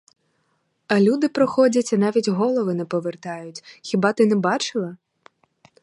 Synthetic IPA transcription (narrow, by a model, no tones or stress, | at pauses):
ɐlʲud̪ɪpɾɔxɔdʲɐtʲɐnɑʋʲitʲɦɔlˠɔʋɪnɛpɔʋert̪ɑjʊtʲxʲibɑt̪ɪnɛbɑt͡ʃɪlˠɐ